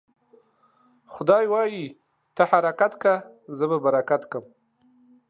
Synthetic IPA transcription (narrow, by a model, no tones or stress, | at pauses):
xʊd̪ɑjwɑji | t̪ahaɾakat̪kazəbabaɾakat̪kəm